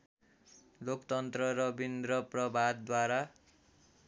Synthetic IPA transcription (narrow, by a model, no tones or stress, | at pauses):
lokt̪ʌnt̪rʌɾʌbind̪ɾʌprʌbʱad̪̚ːwaɾa